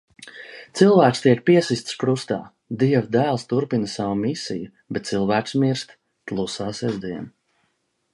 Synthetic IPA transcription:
t̪silˠvæːkst̪iɛk̚piɛsist̪skɾust̪a̰ː | d̪iɛvd̪æːlˠst̪uɾpinəsavumisḭju | bɛt̪̚t̪silˠvæːksmiɾst̪ | tlˠusaːsɛzd̪iɛn

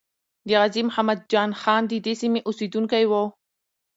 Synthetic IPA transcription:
d̪iʁazimħamad̪̚d͡ʒaːnxaːnd̪id̪isimiʔʊsid̪unkajwow

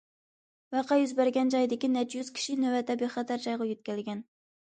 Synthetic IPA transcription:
wɑqʰɑjyzbæɾɡʲɛnd͡ʒɑjd̪ɪkʲinɛt͡ʃjyz̥kʲʰi̥ʃinøwɛt̪ʰɛbeχɑt̪ʰæɾd͡ʒɑjʁɑjøt̪̚kʲælɪɡʲɛn

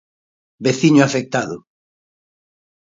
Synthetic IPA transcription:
beθiɲʊafek̚t̪aðʊ

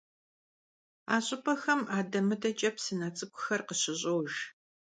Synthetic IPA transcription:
aːɕʼɪpʰɐxɐmaːdɐmɨtʰʼɐt͡ʃʼɐpsɨnɐt͡sʼɨkʷʰʼʊxɐrqəɕɪɕʼowʒ

